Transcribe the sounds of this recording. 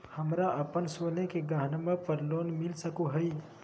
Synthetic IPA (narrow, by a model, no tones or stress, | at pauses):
hɐmɾaʔəpənsonekeɡaːɦnəməpəɾloːnmɪlsəkuɦəi